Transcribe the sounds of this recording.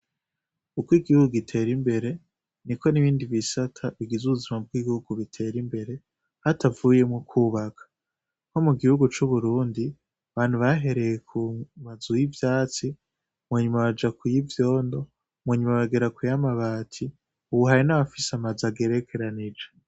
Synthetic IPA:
ukwiːɡihuɡuɡitʰe̞ːɾimbe̞ɾe̞ | niko̞niβiːndiβisatʰaβiɡizuβuzimab̚ɡiːβihuɡuβitʰe̞ɾimbe̞ɾe̞ | hatavuje̞mŋokʰuːβakʰḁ | ŋho̞muɡihuɡut͡ʃuβuɾuːndi | aβaːn̥huβaɦe̞ɾe̞jekʰumazujivjaːt͡si | mwaɲumaβad͡ʒakujivjo̞ːndo̞ | mweːɲumaβaɡeɾakujamaβaːtʰi | uβuɦaɾinaβafiseamazaɡe̞ɾe̞kʰe̞ɾanid͡ʒe

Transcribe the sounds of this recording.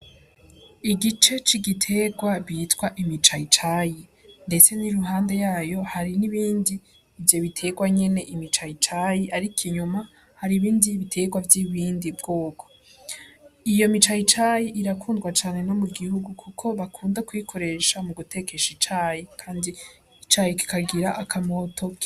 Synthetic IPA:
iɡit͡ʃe̞t͡ʃiɡitʰe̞ɡwaβiːtwaʔimit͡ʃait͡ʃajinde̞t͡se̞niɾuɦaːnde̞jaːjo̞haɾiniβiːndiː | vjo̞βitʰe̞ɡwaɲe̞ne̞ʔimit͡ʃait͡ʃajiʔaɾikʰiɲuma | haɾiβiːndiβitʰe̞ɡwavjiβiːndibɡoːkʰo̞̥ | ijo̞mit͡ʃait͡ʃajiʔiɾakʰuːndɡwat͡ʃaːne̞no̞muɡihuɡukʰukʰo̞βakʰuːndakwikʰo̞ɾe̞ːʃamuɡute̞ke̞ʃit͡ʃajikʰaːndi | it͡ʃajiki̥kaɡiɾaʔakʰamo̞tʰo̞kʰi̥

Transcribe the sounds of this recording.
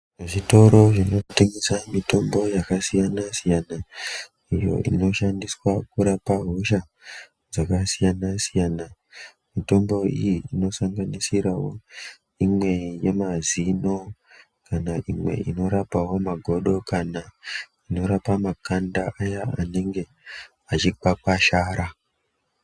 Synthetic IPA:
ʐeʐito̞ɾo̞ʐino̞teŋɡesamito̞mbo̞jakasijanasijana | ijo̞̰ʔḭno̞ʃandiswakuɾapaɦo̞ʃa | d͡zakasijanasijana | mito̞mbo̞ijiino̞saŋɡanisiɾawo̞ | imwe̞je̞mazino̞ | kanaʔimwe̞̰ʔino̞ɾapawo̞maɡʱo̞ɗo̞kana | ino̞ɾapamakandaʔajaaneŋɡe̞ | at͡ʃik͡pak͡paʃaːɾa

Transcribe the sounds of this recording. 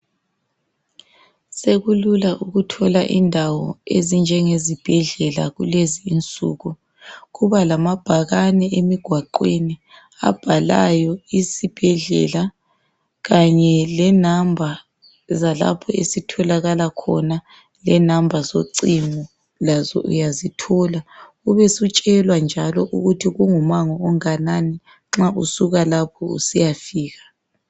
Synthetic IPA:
seɣululaʔuɣutʰɔlaʔindʱawɔ̰ezind͡ʒʱɛŋezib̥ʱɛɮɛla̰ɣuleziːnt͡sʼṵːɣu | ɣuβalamab̥ʱaɣanɛʔemiɡ̥ʱwaǃweni | a̰b̥ʱala̰jɔisib̥ʱɛɮɛ̰la | ɣaɲɛlɛnambʱa | zala̰pʰɔesitʰɔlaɣalakʰɔ̰na | lɛnambʱazoǀimɔ | lazɔ̰ʔṵjazitʰɔla | uβɛsut͡ʃʼɛlwand͡ʒʱalɔʔuɣutʰiɣuŋumaŋɔːŋanani | ŋ͡ǁaʔusuɣalapʰɔṵsijafiːɣḁ

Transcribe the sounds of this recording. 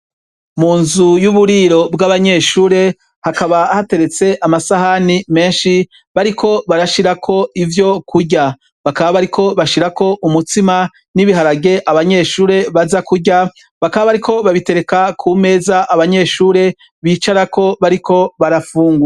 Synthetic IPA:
muːnzujuβuɾiɾo̞bɡaβaɲe̞ʃuːɾe̞ | hakaβahate̞ɾe̞t͡se̞ʔamasaɦanime̞ːnʃi | βaɾikʰo̞βaɾaʃiɾakʰo̞ivjo̞kʰuɟa | βakaβaβaɾikʰo̞βaʃiɾako̞ʔumutima | niβiɦaɾaɡe̞ʔaβaɲe̞ːʃuːɾe̞βazakuɟa | βakaβaβaɾikʰo̞βaβite̞ɾe̞kakʰume̞ːzaʔːβaɲe̞ːʃuːɾe̞ | βiːt͡ʃaɾakʰo̞βaɾikʰo̞βaɾafuːŋɡu

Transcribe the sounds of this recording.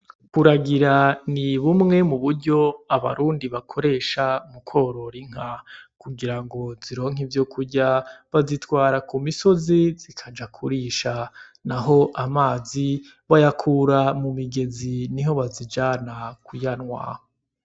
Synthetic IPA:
kuɾaɡiɾaniβumŋe̞muβuɾɟo̞aβa̰ɾuːndiβakʰo̞ɾe̞ːʃamukʰo̞ɾo̞ɾiŋ̥akuɡiɾaŋɡo̞ziɾo̞ːŋ̥ɦivjokʰuɾɟaβazitwaːɾakumiso̞ziz̥ikʰad͡ʒakʰuɾiʃanaɦo̞ʔamaːzi | βajakʰuːɾamumiɡe̞ziniɦo̞βazid͡ʒaːnakujanŋwa̰ho

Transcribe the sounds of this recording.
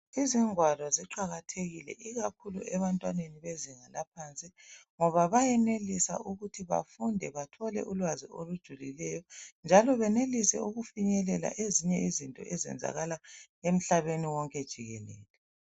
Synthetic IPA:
iziŋwalɔziǃaɣatʰeɣilɛ̰ʔiɣakʰulṵʔɛβantʼwaneniβeziŋalapʰant͡sʼiŋɔβaβajɛnelisa̰ʔuɣutʰiβa̰fundʱɛβatʰɔlɛ̰ʔulwaziolud̥ʒ̥ʱulilɛjɔnd͡ʒʱalɔβɛnelisɛ̰uɣufiɲɛlɛla̰ʔeziɲɛizintʼɔ̰ʔɛzɛ̰nd͡zʱa̰ɣala | em̩ɬaβeniwɔŋkʼɛd̥ʒ̥ʱiɣɛlɛ̰ːlɛ

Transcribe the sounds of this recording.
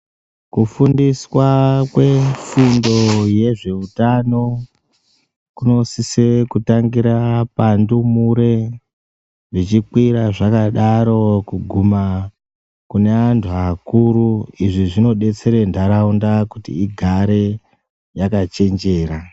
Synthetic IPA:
kufundiswakwe̞fundo̞je̞ʐe̞utano̞ | kuno̞sisekutaŋɡiɾapandumuɾe̞ | nrit͡ʃikwiɾaʐakaɗaɾo̞kuɡʱuma | kune̞antʰuakuɾuiʐiʐino̞ɗe̞t͡se̞ɾe̞ndaɾaundakutḭiɡʱaɾe̞ | jakat͡ʃe̞nd͡ʒe̞ːɾa

